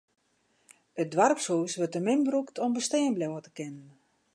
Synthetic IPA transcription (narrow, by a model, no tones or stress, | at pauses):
ət̚dʋarpsuːsʋɵrtəmɪnbruktʰɔmbəstɛːənblɛwətə̥kɪnən